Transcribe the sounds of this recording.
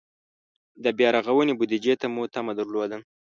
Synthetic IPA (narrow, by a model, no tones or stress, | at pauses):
d̪əbjɑɾaɣawənebʊd̪id͡ʒet̪amut̪amad̪aɾlod̪əm